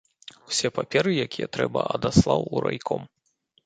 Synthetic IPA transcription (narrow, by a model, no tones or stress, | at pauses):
wsʲɛpapʲɛɾɨjakʲijɛt̪ɾɛbɐ̰ʔɐd̪aslˠawuɾajkʰɔm